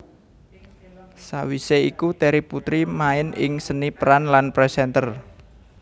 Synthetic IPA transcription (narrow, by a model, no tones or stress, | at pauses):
sawiseikut̪eɾiput̪ɾimaɪnɪ̰ŋsənipəɾanlanpɾɛsɛnt̪ər